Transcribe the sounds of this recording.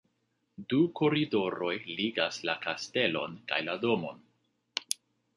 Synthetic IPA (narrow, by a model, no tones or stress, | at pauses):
duko̞ɾido̞ɾo̞jliɡaslakaste̞lo̞̰nka̰jlado̞mo̞n